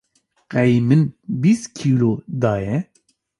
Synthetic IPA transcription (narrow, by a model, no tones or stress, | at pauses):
qɛjmɨnbiːskʰilod̪ɑːjɛ